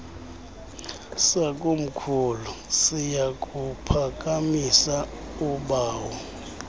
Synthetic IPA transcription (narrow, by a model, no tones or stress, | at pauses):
sakʼum̩kʰulusijak̬ʼupʰak̬ʼamisa | uɓaːwɔ